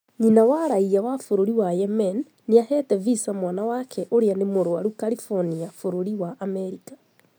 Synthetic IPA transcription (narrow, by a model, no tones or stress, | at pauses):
ɲinawaɾaiawafoɾoɾiwajɛmɛnː | eahɛtɛvisamwanawakʰɛʔoɾeanemoɾoaɾukalifɔniafoɾoɾiwaʔːmɛɾikḁ